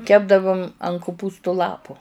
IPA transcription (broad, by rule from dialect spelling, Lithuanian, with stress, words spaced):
ˈkʲæːbdɐʋʊm ɐn kʊˈpuːstʊ ˈlˠɑːpʊ